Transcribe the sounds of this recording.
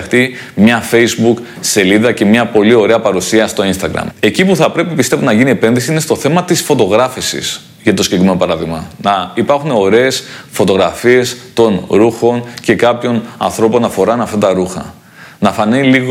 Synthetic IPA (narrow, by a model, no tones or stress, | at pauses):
xt̪i | mɲɐfe̞izbuk | se̞liðɐce̞mɲɐpo̞lio̞ɾe̞ɐpɐɾusiɐst̪o̞inst̪ɐɣɾɐ̰me̞cipuθɐpɾe̞pipist̪e̞vonɐʝiniepe̞nðisiine̞st̪o̞θe̞mɐt̪isfo̞t̪o̞ɣɾɐfisḭs | ʝɐt̪o̞scekɾimeno̞pɐɾɐðiɣmɐnɐipɐɾxuneo̞ɾe̞ːsfo̞t̪o̞ɣɾɐfie̞st̪o̞nɾuxo̞nce̞kɐpço̞nɐ̰nθɾo̞po̞nɐfo̞ɾɐnɐft̪ɐt̪ɐɾuxɐ̰ | nɐfɐniliɣ